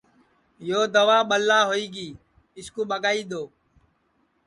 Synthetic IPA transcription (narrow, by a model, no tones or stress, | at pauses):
joːd̪əʋaːɓəlːaːɦoːiːɡiː | ɪskũːɓəɠaːiːd̪oː